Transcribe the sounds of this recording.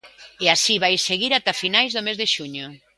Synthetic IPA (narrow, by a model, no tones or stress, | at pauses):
easiβajseɣiɾat̪afinajzðʊmezðeʃuɲʊ